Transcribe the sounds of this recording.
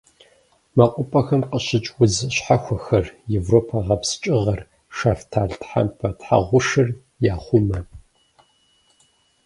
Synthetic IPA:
maqʷʼʊpʼɐxɐmqəɕɪt͡ʃʼwʷʊzɕħaxʷɔxɐrjevroːpʰɐʁɐpst͡ʃʼɪʁɐr | ʂaftʰaːɮtħa̰mpʰɐtħa̰ʁʷʊʂɨr | jaːχʷʊmɐ

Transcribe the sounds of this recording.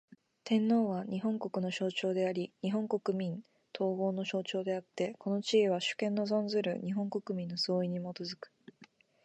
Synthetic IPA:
t̪ẽ̞nːo̞ːβaɲ̟iɦõ̞ŋko̞kɯ̟no̞ɕo̞ːt͡ɕo̞ːd̪e̞aɾʲiɲiɦõ̞ŋko̞kɯ̟mʲĩn | t̪ʰo̞ːɡo̞ːno̞ɕo̞ːt͡ɕo̞ːd̪e̞at̪ːe̞kʰo̞no̞t͡ɕieβ̞aɕɨ̥kẽ̞nːo̞zõ̞nd͡zɨɾɯ̟̰ɲ̟iɦõ̞ŋko̞kɯ̟mʲĩnːo̞sɨoiɲ̟imo̞t̪o̞zɨkɯ̥

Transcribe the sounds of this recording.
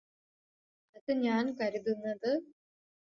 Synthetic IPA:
ɐðɨɲaːnkɐɾiðunːɐðɨ

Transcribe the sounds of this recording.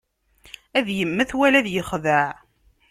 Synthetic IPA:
æðjəmːəθwælæðjəχðəʕ

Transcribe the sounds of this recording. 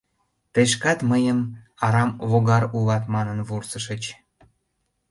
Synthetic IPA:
t̪eʃkɑt̪məjəm | ɑɾɑmβoɣɑɾuβɑt̪mɑnənβursəʃət͡ɕ

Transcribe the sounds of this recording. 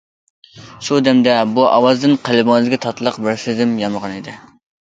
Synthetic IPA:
ʃud̪ɛmd̪ɛbuʔɑwɑzd̪ɨnqʰelˠɨboŋɨzɪɡʲɛt̪ʰɑt̪ʰlˠəqbɪɾsɪd̪ɪmjɑməʁɑnid̪ɪ

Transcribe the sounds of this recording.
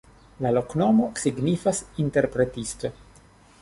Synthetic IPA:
lalo̞kno̞mo̞siɡnifasinte̞ɾpɾe̞tist̪o

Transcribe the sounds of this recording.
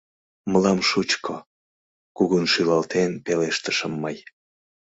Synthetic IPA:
məlɑmʃut͡ɕkʰo | kuɣunʃylɑlt̪enpeleʃt̪əʃəmːəj

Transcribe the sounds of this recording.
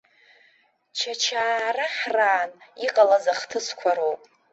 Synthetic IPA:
t͡ʃʰat͡ʃʰaːraħraːniqʼalazaχtʰɨskʷʰaɾowpʼ

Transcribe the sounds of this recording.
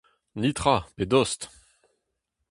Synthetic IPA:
nit̪χaped̪ɔst̪

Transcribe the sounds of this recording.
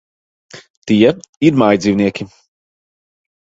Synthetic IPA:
t̪iɛiɾmajd̪ziːvniɛkʲi

